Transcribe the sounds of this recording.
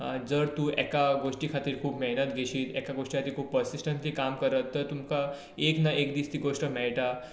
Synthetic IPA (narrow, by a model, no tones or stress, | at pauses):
d͡zəɾt̪uːʔɛ̰kaɡoʂʈikʰat̪iːɾkʰuːpmeɦnət̪ɡʱeɕiːt̪ɛ̰kaɡoʂʈiat̪iːkʰuːpːpəɾsisʈənt̪liːkamkəɾət̪ːəɾt̪umka | eknaʔekd̪iːst̪iːɡoʂʈəmɛɭʈa